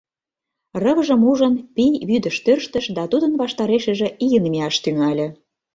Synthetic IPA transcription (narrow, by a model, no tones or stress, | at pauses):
rə̆βəʒə̆muʒənpijβyd̪ə̆ʃt̪ørʃt̪ə̆ʃd̪ɑt̪ud̪ənβɑʃt̪ɑɾeʃĕʒĕʔijənmeɑʃt̪yŋɑlʲĕ